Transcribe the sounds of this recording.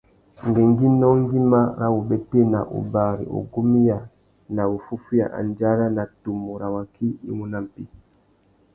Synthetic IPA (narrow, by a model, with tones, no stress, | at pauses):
ŋɡɛ˨ŋɡi˦nɔ˦ŋ˦ɡi˦ma˦ɾa˦wu˨bɛ˦te˦na˨ʔṵ˨ba˨ɾḭ˨ɔ̰˨ɡo˦mi˦ja˨ | na˨wu˨fu˦fu˦ja̰˨ʔa̰˨nd͡ʒa˦ɾa˦na˨tu˨mːɔ˨ɾa˨wa˨ki˦ḭ˦mu˨na˦m˨pi˦